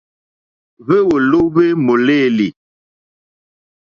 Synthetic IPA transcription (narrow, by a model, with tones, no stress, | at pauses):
ve˦wo˨lo˦be˦mo˨le˦˨li˨